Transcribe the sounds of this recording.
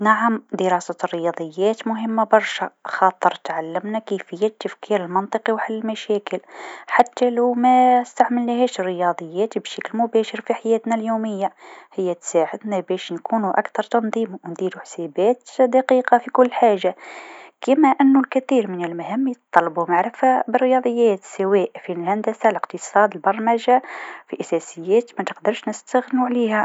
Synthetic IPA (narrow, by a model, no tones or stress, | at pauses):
naʕamd̪əɾɑsarːəjɑd̪ˤəjːæt̪mʊɦəmːabɑɾˤʃa̰xɑt̪ˤːəɾˤt̪ʕalːəmnækəfəjːæt̪ːəfkʰiɾəlmɑnt̪ˤəqiwħalːəlmæʃækəlħat̪ːælæwmæst̪aʕməlnæhæʃərːəjɑd̪ˤəjːæt̪bʃæklmʊbæʃəɾfiħajæːt̪næljuməjːahəjːæt̪saʕəd̪næbæʃnkʰunuʔa̰kt̪ɑɾˤt̪ɑnd̪ˤimwnd̪id̪uħsæbæt̪d̪ɑqiqɑfikʊlːħaʒakəmæʔənːulkæθiɾmənəlmhəmːjət̪ˤːɑlːɑbumaʕɾəfabərːjɑd̪ˤəjːæt̪sæwæʔfilhænd̪æsaləqt̪əsˤɑd̪əlbɑɾˤmæʒafiʔasæsəjːæt̪mæt̪əqd̪əɾʃnəst̪æɣnuʕlihæ